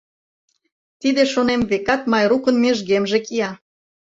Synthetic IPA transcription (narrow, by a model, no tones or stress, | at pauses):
t̪id̪eʃonemβekɑt̪mɑjɾukə̆nmeʒɣemʒekiɑ